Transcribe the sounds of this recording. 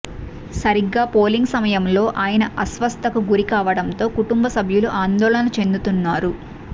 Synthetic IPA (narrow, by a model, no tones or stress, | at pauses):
sɐɾiɡːaːpoːliŋɡsɐmɐjɐmlo̞ːʔaːjɐnɐʔɐsʋɐst̪ʰɐkuɡuɾikaːʋɐɽɐnt̪o̞ːkuʈumbɐsɐbʱjuluʔaːnd̪ɔːlɐnɐt͡ʃe̞nd̪ut̪unːaːɾu